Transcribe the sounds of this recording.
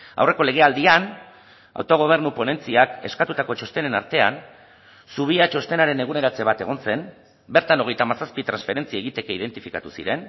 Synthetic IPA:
a̰wre̞ko̞le̞ɣ̞e̞ald̪ian | a̰wt̪o̞ɣ̞o̞β̞e̞ɾnupo̞ne̞nt͡siake̞̰skat̪ut̪ako̞t͡ʃo̞st̪e̞ne̞naɾt̪e̞an | suβ̞iat͡ʃo̞st̪e̞naɾe̞ne̞ɣune̞ɾat͡se̞β̞at̪e̞̰ɣ̞o̞nse̞m | be̞ɾt̪ano̞ɣ̞e̞jt̪amasaspit̪ɾansfe̞ɾe̞nt͡siaeɣ̞it̪e̞keið̞e̞nt̪ifikat̪usḭɾe̞n

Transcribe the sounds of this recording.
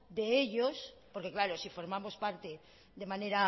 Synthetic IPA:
d̪e̞e̞ʎo̞spo̞ɾke̞klaɾo̞sifo̞ɾmamo̞spaɾt̪e̞ | ðe̞mane̞ɾa

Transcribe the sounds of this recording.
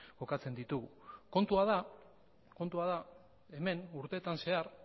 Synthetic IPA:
ko̞kat͡se̞nd̪it̪uɣuko̞nt̪uaða | ko̞nt̪uað̞a | e̞me̞nuɾt̪e̞t̪anse̞aɾ

